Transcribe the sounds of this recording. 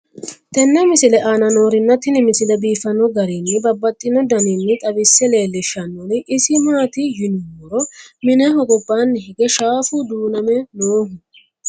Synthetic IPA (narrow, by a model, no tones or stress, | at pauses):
t̪ɛnːɛmɪsɪlɛʔaːnɐno̞ːɾɪnːɐt̪ːɪnɪmɪsɪlɛbiːfɐnɔɡɐɾinːɪbɐbːɐt̪ʼːɪnɔd̪ɐnɪnːɪt̪ʼɐbɪsːɛle̞ːlːɪʃɐnːɔnɪʔɪsɪmaːt̪ɪjɪnʊmɔɾɔmɪnɛhɔɡɔbːaːnːɪhɪɡɛʃaːfʊd̪uːnɐmɛnoːɦʊ